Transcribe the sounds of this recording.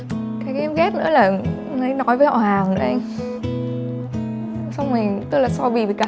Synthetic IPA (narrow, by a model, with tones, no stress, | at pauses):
kaː˨˦jkɛ˨˦mɣɛ˦˥t̚nɨ̰˧˥əlaː˨˩ | na˨˦jnɔ˨˦jvəː˨˦hʔɔ̰˨˩haː˨˩ŋɨ̰˨˧˥ʔa˧m | sa˧wŋ͡mmi˨˩t̪ɨ˦˥k̚laː˨˩sɔ˧ɓi˧˩i˨˩ka˧